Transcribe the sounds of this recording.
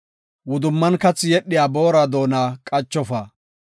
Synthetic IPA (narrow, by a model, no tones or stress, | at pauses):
wʊd̪ʊmːɐnkɐt͡sːɪjɛɗːɪjaːboːɾad̪o̞ːnaːkʼɐt͡ʃːɔfaː